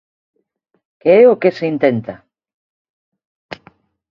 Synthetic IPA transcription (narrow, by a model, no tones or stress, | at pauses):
keeokeseint̪ent̪a